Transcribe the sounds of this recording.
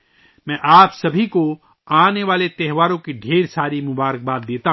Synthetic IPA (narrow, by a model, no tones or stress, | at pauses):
mɛ̃ːʔaːpsɐbʱiko | aːneʋaːlet̪ɛɦʋaːɾõkiɖʱeːɾsaːɾimʊbaːɾək̚baːd̪̚ːeːt̪a